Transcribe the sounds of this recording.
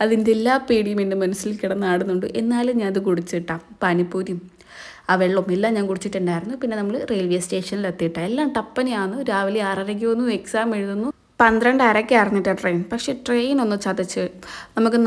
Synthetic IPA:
ɐðind̪elːaːpiːɽijumindemɐnusːilikiɽɐnːaːɽunːuɳɖɨʔe̞nːaːluɲaːnɐðɨkuɽit͡ɕːiʈːaːmpɐnipːuːðjum | aːʋeɭːɐmelːaːmɲaːnkuɽit͡ɕːiʈːeɳdaːjiɾunːupinːe̞nɐmːɐɭɨrejlʋeste̞ːʂɐnilet̪ːijiʈːaelːaːmʈɐpːɐnijaːɳːuɾaːʋɐliaːrɐɾɐk̬ʲːuʋɐnːue̞ksaːmeɻuðunːu | pɐnd̪ɾɐɳɖaɾɐkʲːiriɲːiʈːɐʈrejnpɐkʂe̞ʈrejno̞nːɨt͡ɕɐd̪it͡ɕːɨnɐmukːɨ

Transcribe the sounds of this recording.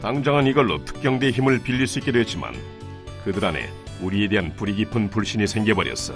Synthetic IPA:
taŋd͡ʑaŋɦaniɡʌɭːo̰tʰɯ̥k̚k͈jʌŋde̞çimɯɭpiʎːiɭs͈uit̚k͈e̞doɦet̚t͡ɕ͈ima̰n | kɯdɯɾane̞̰ | uɾie̞de̞ɦanpuɾiɡipʰɯnpuɭɕ͈iɲisʰe̞ŋɡe̞bʌɾjʌ̰s͈ʌ

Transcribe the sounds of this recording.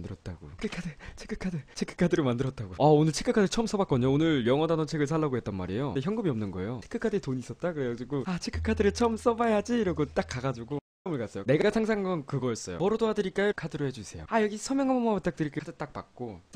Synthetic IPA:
ndɯɾʌt̚t͈aɡokʰɯkʰadɯt͡ɕʰe̥kʰːɯ̥kʰadɯt͡ɕʰekʰɯ̥kʰadɯɾɯɭmandɯɾʌt̚t͈aɡoʌonɯɭt͡ɕʰek͈ʰːɯkʰadɯɭt͡ɕʰʌms͈ʌbak͈ʌɲoonɯɭjʌŋʌdanʌt͡ɕʰe̞ɡɯɭs̬ʰaɭːaɡoɦet͈̚ʌnma̰ɾejoeçjʌŋɡɯmiʌmnɯnɡʌḛjoe̥kʰːɯkʰadɯtoɲiːs͈ʌt̚t͈akɯɾeɡad͡ʑiɡoat͡ɕʰekʰɯ̥kʰadɯɾɯɭt͡ɕʰʌms͈ʌbajad͡ʑiɾʌɡot͈ak͈ːaɡad͡ʑuɡo | ʌmɯɭkas͈ʌjone̞ɡaɡasʰaŋs̬ʰaŋaŋɡʌnkɯɡʌjʌs͈ʌjo̰pʌɾʌdoɦadɯɾik͈ajokʰadɯɾoɦe̞d͡ʑusʰe̞̰jo̰ajʌɡisʰʌmjʌŋɦamʌmabat͈ak̚t͈ɯɾikekʰadɯt͈ak̚pa̰k̚k͈ot͡ɕ͈

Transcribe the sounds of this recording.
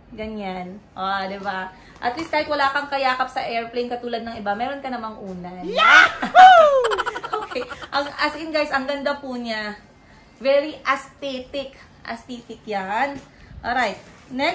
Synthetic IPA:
ɡɐɲanʔoʔd̪ɛba | ʔɐt̪liːst̪ɡaːhɪt̪̚wɐlaːkɐŋkɐjaːkɐp̚sɐʔɛɹplejnkɐt̪uːlɐd̪̚nɐŋɪbamɛːɾo̞nkɐnɐmaŋʔuːnɐja | ʔoːkʰejʔɐŋɐsɪnɡajsʔɐŋɡɐnd̪apʊɲa | vɛɾiʔɐst̪ɛːt̪ɪk | ʔɐ̰st̪iːt̪ɪk̚janʔoɾajt̪̚ | nɛ

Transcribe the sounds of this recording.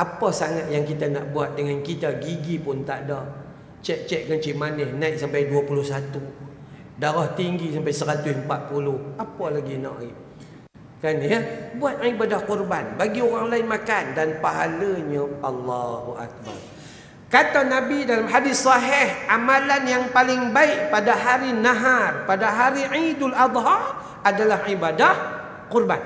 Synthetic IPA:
ʔapasaŋat̪̚jaŋkit̪ana̰ʔbuat̪̚dəŋankit̪aɡiɡipʊnt̪aʔdah | t͡ʃɛʔ̚t͡ʃɛʔ̚kənt͡ʃimanəhnãjt̪̚sampajduapulʊhsat̪u | daɾaht̪iŋɡisampajsəɾat̪ʊsəmpat̪̚pulʊhapalaɡina̰ʔiʔ | kanjəbuat̪̚aibadahkurbanbaɡioɾaŋlaɪnmakandanpaɦaləɲaʔɑlːɑhuʔa̰k̚ba̰r | kat̪anabidalamhadɪsɑɦɪhʔamalanjaŋpalɪŋbaɪʔ̚padaɦaɾinaɦarpadaɦaɾiʕidalʔɑd̪ˤɦɑr | adalahibadah | kurban

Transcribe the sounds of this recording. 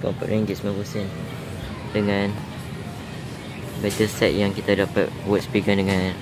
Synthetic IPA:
kɔ̰mpa̰ʔʔiŋɡismãbusən | dəŋãn | bat̪əsɛʔ̚jaŋkit̪adapa̰t̚wɔt̚spiɡandəŋãn

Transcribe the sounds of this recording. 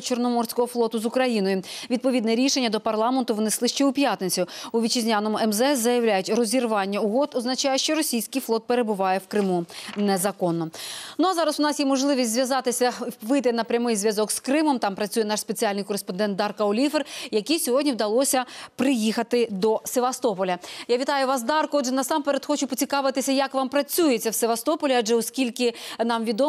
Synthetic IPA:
t͡ʃɔrnɔmɔrsʲkɔɦɔflˠɔt̪ʊzʊkɾɐjinɔjʊʋʲid̪̚pɔʋʲid̪nɛɾʲiʃenʲːɐd̪ɔpɐrlˠɑment̪ʊʋneslˠɪʃt͡ʃɛʊpʲjat̪net͡sʲʊʊʋʲit͡ʃɪzʲnʲanɔmʊɛmzɛszɐjɐwlʲajʊtʲrɔzʲirʋɑnʲːɐʊɦɔd̪ɔznɐt͡ʃɑjɛʃt͡ʃɔɾɔsʲijsʲkɪjflˠɔt̪̚peɾe̞bʊʋɑjɛwkɾɪmunɛzɐkɔnːɔnuɐzɑɾɐsʊnɑsjimɔʒlˠɪʋʲisʲtʲzʲʋjɐzɑt̪ɪsʲɐʋɪjt̪ɪnɐpɾʲɐmɪjzʲʋʲjɐzɔkskɾɪmɔmt̪ɑmpɾɐt͡sʲujɛnɑʃspet͡sʲiɑlʲnɪjkɔɾespɔnd̪ɛnt̪̚d̪ɑrkɐɔlʲiferjɐkijsʲɔɦɔdʲnʲiwd̪ɐlˠɔsʲɐpɾɪjixɐt̪ɪd̪ɔseʋɐst̪ɔpɔlʲɐjaʋʲit̪ɑjʊʋɑs̬d̪ɑrkʊɔdʒɛnɐsɑmpeɾʲet̪xɔt͡ʃʊpɔt͡sʲikɑʋɪt̪ɪsʲɐjɐkʋɑmpɾɐt͡sʲujet͡sʲːɐwseʋɐst̪ɔpɔlʲiaʒɛɔskʲilʲkɪnɑmʋʲid̪ɔ

